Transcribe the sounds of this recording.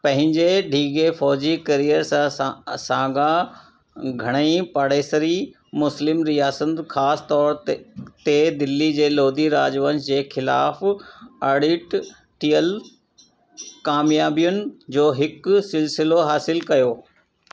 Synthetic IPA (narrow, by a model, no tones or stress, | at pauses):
pɐ̃ɦɪ̃ɲd͡ʑeɖʱiːɡefɔːd͡ʑikɐɾijəɾsãsãːɡa | ɡʱɐɽ̃əĩpaɽeːsəɾi | mʊslɪmɾijaːsət̪xaːst̪ɔːɾt̪ed̪ɪlːid͡ʑeːloːd̪iɾaːd͡ʑʋənd͡ʑd͡ʑeːxɪlaːfaɽɪʈ | ʈiːəl | kaːmjaːbijʊnɪ̆d͡ʑoːɦɪksɪlsɪloɦaːsɪlkɐjoː